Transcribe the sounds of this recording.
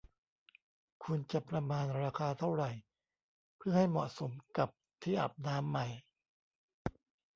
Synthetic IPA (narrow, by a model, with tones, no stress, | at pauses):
kʰu˧nt͡ɕa˨˩pɾa˧maː˧nɾaː˧kʰaː˧t̪ʰa˥˩wɾa˨˩j | pʰɯ˥˩ɐɦa˥˩jmɔ˨˩ʔso˩˦mka˨˩p̚t̪ʰiː˥˩ʔa̰˨˩p̚naː˦˥mːa˨˩j